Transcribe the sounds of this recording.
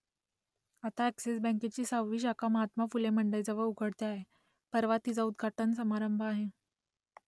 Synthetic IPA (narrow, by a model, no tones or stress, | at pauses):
at̪aeksesbɛ̃ket͡ɕiːsawʋiːɕakaməɦat̪mafuleməɳɖəjd͡zəʋəɭuɡʱəɽt̪eaɦe | pəɾʋat̪id͡zaud̪̚ɡʱaʈənsəmaɾəmbʱaɦe